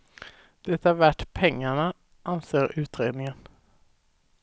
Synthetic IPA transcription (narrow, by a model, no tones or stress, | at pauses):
d̪̥ɛt̪ːaæɾvæʈːpʰɛŋːaɳa | ʔanseːɾʉ̟ːt̪ɾeːd̪nɪŋən